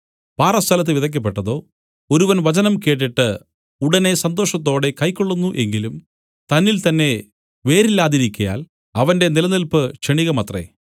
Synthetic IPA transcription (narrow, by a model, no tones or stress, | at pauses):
paːrɐst̪ʰɐlɐt̪̬ːɨʋiðɐk̬ːɐp̬ːeʈːɐðo̞ː | o̞ɾuʋɐnʋɐt͡ɕɐnɐmke̞ːʈ̬ːiʈːɨ | uɽɐne̞sɐnd̪o̞ːʂɐt̪̬ːo̞ːɽe̞kɐjkːoɭːunːuʔe̞ŋɡilum | t̪ɐnːilt̪ɐnːe̞ | ʋe̞ːɾilːaːðiɾikʲːɐja̰ːl | ɐʋɐnde̞nilɐnilpɨʂeɳiɣɐmɐt̪rḛ